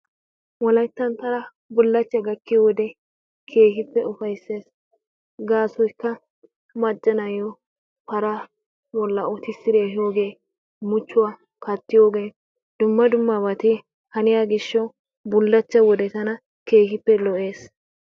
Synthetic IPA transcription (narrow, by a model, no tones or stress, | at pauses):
wɔlɐjt̪ːɐnt̪ɐɾɐ | bʊlːɐt͡ʃːɐɡɐkːɪwɔd̪ɛ | kʰeːhɪpːɛʊfɐjsːe̞ːs | ɡaːsɔjkːɐ | mɐt͡ʃʼːɐnɐjɔ | pɐɾɐ | bɔlːɐʊt̪ɪsːɪɾeːɦoːɡeː | mʊt͡ʃːʊwaː | kɐt̪ːɪjoːɡeː | d̪ʊmːɐd̪ʊmːɐbɐt̪ɪ | hɐnɪjaɡɪʃːɐw | bʊlːɐt͡ʃːɐwɔd̪ɛt̪ɐnɐ | ke̞ːhɪpːɛlɔʔeːs